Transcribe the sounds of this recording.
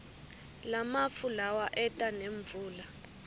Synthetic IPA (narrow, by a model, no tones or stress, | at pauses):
lamafulawaʔɛtʼaneɱb̪vuːla